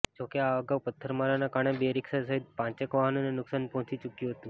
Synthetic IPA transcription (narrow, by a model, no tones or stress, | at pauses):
d͡ʑokeaəɡaʋpət̪ʰːəɾmaɾanakaɽ̃ebeɾiksasaɦid̪̚pãt͡ɕekʋaɦənonenuksanpɔɦũt͡ɕit͡ɕukiɦot̪ũː